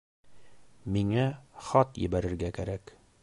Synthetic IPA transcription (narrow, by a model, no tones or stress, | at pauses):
miŋaχɒt̪jɘ̰̆bæɾɘ̆ɾɡækæɾæk